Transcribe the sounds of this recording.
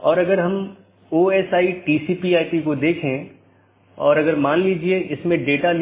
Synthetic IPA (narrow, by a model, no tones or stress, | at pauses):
ɔːɾɐɡəɾɦɐm | oːɛːsaːiʈiːsiːpiaːɪpikod̪eːkʰẽ | ɔ̰ːɾɐɡəɾmaːnliːd͡ʒieʔɪsmẽɖeːʈan